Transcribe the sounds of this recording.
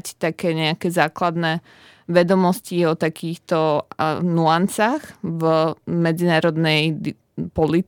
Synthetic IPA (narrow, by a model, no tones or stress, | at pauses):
ct̪akɛːɲɛakɛzaːklad̪nɛ | ʋɛd̪ɔmɔsciɔt̪akiːxt̪ɔnuansaxvmɛd͡zinaːɾɔd̪nɛj | pɔlit̪